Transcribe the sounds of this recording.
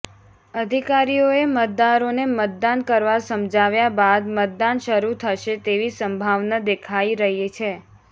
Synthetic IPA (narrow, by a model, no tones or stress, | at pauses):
əd̪ʱikaɾijoemət̪̚d̪aɾonemət̪̚d̪ankəɾʋasəmd͡ʒʱaʋjabad̪mət̪̚d̪anʃəɾut̪ʰəʃet̪eʋisəmbʱaʋnad̪ekʰaiɾəɦet͡ʃʰe